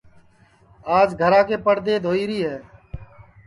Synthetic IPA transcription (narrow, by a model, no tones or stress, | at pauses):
aːd͡ʒɡʱəɾãːkeːpəɽd̪eːd̪ʱoːiːɾiːɦɛː